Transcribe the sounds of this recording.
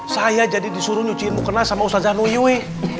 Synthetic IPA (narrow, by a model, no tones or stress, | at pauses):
sajad͡ʒadidisuɾuɲut͡ʃinmukənasamausazanuijue